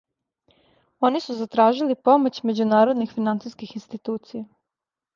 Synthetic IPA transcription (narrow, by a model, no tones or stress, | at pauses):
o̞nisuzat̪ɾaːʒilipo̞mot͡ɕme̞d͡ʑunaːɾo̞d̪nixfinant̪siskixinst̪it̪uːt̪sija